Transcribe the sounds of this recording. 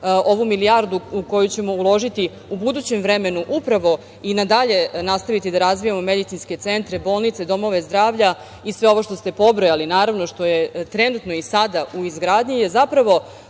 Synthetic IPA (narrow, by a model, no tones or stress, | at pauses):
o̞ʋumiliaɾd̪uuko̞jut͡ɕe̞mo̞ulˠo̞ʒit̪i | ubud̪uːt͡ɕemvɾeme̞nuʔupɾaʋo̞ | inad̪aʎe̞nast̪aʋit̪id̪aɾazʋijamo̞me̞d̪it̪inske̞t̪se̞nt̪ɾebo̞ːlˠnit̪se̞d̪o̞mo̞ʋe̞zd̪ɾaːʋʎa | isʋe̞o̞ʋo̞ʃt̪o̞st̪e̞po̞bɾo̞jalinaːɾaʋno̞ʃt̪o̞je̞t̪ɾe̞nut̪no̞isad̪auizɡɾaːd̪ɲijezapɾaʋo̞